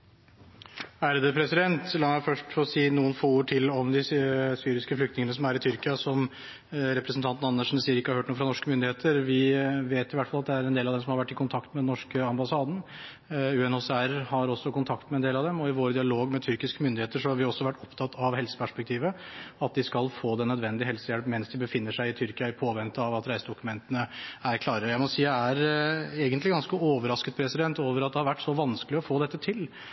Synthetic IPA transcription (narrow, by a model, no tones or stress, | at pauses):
æɾd̪əpʰɾɛsɪd̪ɛnt̪lɑnæfœʂʈfɔɾɔsiːnuːənfoːuːʈʰɪlɔmd̪ɪsyːɾɪskəflʏk̚t̪nɪŋənəsɔmæɾɪt̪ʰʏɾkɪɑsɔm | ɾɛpɾɛsn̩t̪ʰɑnt̪n̩ɑnːəʂn̩siːəɾɪkːəhɑɾhøːʈnuːfɾɑnɔʂkəmʏnd̪ɪheːt̪ʰəɾʋɪʋeːt̪ɪʋæʈfɑlɑt̪d̪ɛæɾɛnd̪eːlɑʋd̪ɛmsɔmhɑɾʋæʈːɪkʊnt̪ʰɑkt̪mɛd̪ɛnɔʂkəɑmbɑsɑːd̪n̩ | ʉːɛnoːsɛæɾhɑɾɔsːɔkʊnt̪ʰɑk̚t̪mɛnd̪eːlɑʋd̪ɛmɔɪʋoːɾd̪ɪɑloːɡmɛt̪ʰʏɾkɪskəmʏnd̪ɪheːt̪əʂɔhɑɾʋɪɔsːɔʋæʈːɔpt̪ʰɑt̪ːɑʋɦɛlsə̥pʰæʂpɛk̚t̪ʰiːʋəɑt̪̚d̪ɪskɑlfoːd̪ɛnœd̪ʋɛnd̪ɪɦɛlsəjɛlpmɛnsd̪ɪbəfɪnːəʂæɪɪt̪ʰʏɾkɪɑɪpʰoːʋɛnt̪əɑʋɑt̪ɾæɪsəd̪ʊkʉmɛnt̪ənəæɾkʰlɑːɾəəjæɪmɔsiːjææɾeːɡənt̪lɪɡɑnskəoːʋəɾɑskət̪̚pʰɾɛsɪd̪ɛnt̪oːʋəɾɑt̪̚d̪ɛhɑɾʋæʈːsɔʋɑnskəlɪɔfoːd̪ɛt̪ːət̪ʰɪl